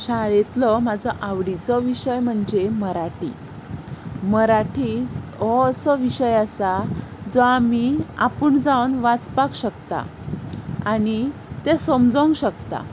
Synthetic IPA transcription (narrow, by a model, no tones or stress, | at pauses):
ɕaɭet̪lɔmad͡zʱɔʔaʋɽit͡sɔʋiɕəjm̤əɳd͡zeməɾaʈḭ | məɾaʈʰiɔsəʋiɕəjasad͡zɔamiapəɳd͡zawnʋat͡spakɕəkt̪a̰ | añit̪esəmd͡zəŋɡɕəkt̪a̰